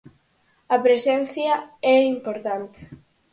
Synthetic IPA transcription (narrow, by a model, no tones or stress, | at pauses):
ɐpɾesɛn̟θjaɛimpoɾt̪ant̪e